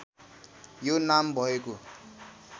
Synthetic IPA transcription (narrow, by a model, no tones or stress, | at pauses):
jonambʱʌeko